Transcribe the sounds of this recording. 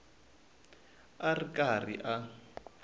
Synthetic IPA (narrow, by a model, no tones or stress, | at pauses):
arikʼarḭʔa